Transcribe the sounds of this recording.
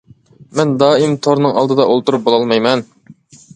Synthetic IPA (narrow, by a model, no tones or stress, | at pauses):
mɛnd̪ɑːimt̪ʰoɾnɨŋɑ̰lˠd̪ɨd̪ɑʔolˠt̪uɾup̚bolˠɑlˠmɑjmɛn